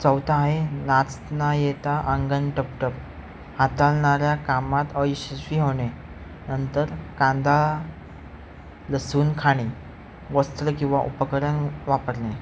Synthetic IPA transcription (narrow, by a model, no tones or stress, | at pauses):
t͡səwt̪aɦenat͡s̪najet̪aʔəŋɡənʈəpʈəp | hat̪alɳaɾjakamat̪əjɕəɕiːɦoɳe | nənt̪əɾkãnd̪ʱa | ləsuːnkʰaɽ̃e | ɡəst̪ɾəkĩw̃ʋaʔupəkəɾənʋapəɾɳe